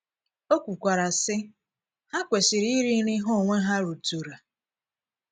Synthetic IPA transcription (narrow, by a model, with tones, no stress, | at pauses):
o˦kʷu˨kʷa˨ɾa˨sɪ˦ | ha˦kʷe˨si˨ɾi˦ɾi˦ɾi˦ɦɔ˦˨ŋʷe˦ɦa˦ɾu˨tu˨ɾa˨